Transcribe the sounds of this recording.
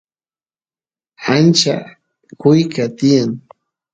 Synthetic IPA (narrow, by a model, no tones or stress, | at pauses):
ant͡ʃa | kʊjkat̪ɪjaŋ